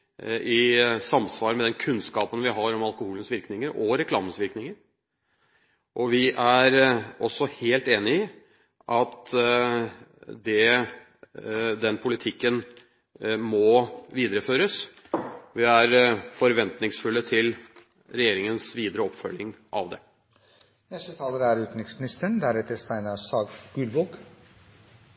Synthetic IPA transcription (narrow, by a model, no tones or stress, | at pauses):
ʔɪsɑmsʋɑːɾəmɛd̪ɛnkʰʉnskɑːpənʋɪɦɑɾɔmɑlˠkʊhuːlənsʋɪɾknɪŋəɾɔɾɛkʰlɑ̰ːmənsʋɪɾknɪŋəɾ | ʔɔʋɪʔæɾɔsːɔheːlt̪eːnɪɪ | ʔɑt̪ | d̪ɛ | d̪ɛnpʰʊlɪt̪ʰɪkːən | mɔʋiːd̪əɾəføːɾəs | ʋɪæɾfɔɾʋɛnt̪nɪŋsfʉlːət̪ʰɪl | ɾɛjeːɾɪŋənsʋiːd̪əɾəɔpfœlɪŋʔɑ̰ʋd̪ɛ | nɛst̪ət̪ʰɑːləɾæɾʉːt̪n̩ɪksmɪnɪst̪əɳd̪æɾɛt̪əɾst̪æɪnɑsɑːɡɡ̥ʉlʋoːɡ